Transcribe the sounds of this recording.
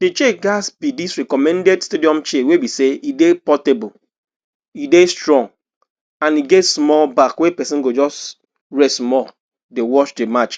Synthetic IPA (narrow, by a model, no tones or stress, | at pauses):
det͡ʃeɡasbidisɹɛkɔmɛ̃ndɛdstediɔ̃mt͡ʃewebiseidepɔtebu | idestɹɔ̃ŋɡ | ãniɡɛtsmɔlbakwepɛsĩnɡod͡ʒɔs | ɹɛsmɔl | dewɔʃdemat͡ʃ